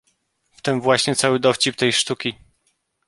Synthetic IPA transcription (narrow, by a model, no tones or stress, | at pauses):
ft̪ɘmvwaɕɲɛt̪sawɘd̪ɔft͡ɕip̚t̪ɛjʂt̪ukʲi